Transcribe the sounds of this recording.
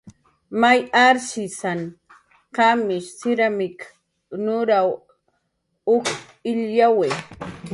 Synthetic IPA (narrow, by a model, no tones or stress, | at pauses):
majaɾʃɪsan | kamɪʃsɪɾamɪk | nʊɾaw | ʊk | ɪʎjawe